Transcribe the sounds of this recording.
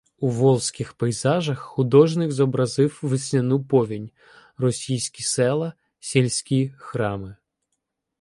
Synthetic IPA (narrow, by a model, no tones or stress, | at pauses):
uʋɔlˠsʲkʲɪxpɐjzɑʒɐxːʊd̪ɔʒnɪkzɔbɾɐzɪwʋɪsʲnʲɐnupɔʋʲinʲ | rɔsʲijsʲkʲisɛlˠɐ | sʲelʲsʲkʲixɾɑmɪ